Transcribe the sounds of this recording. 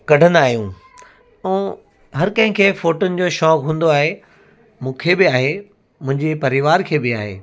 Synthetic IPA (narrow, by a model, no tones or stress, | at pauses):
kɐɖʱənaːɦijũː | ũː | ɦɐɾkɐ̃ɦɪ̃kʰeːfoːʈʊnɪ̆d͡ʑoːʃɔːkɦũːnd̪oaːɦe | mũːkʰeːbɪaːɦe | mʊ̃ɦɪ̃ɲd͡ʑepɐɾɪʋaːɾkʰeːbɪaːɦḛː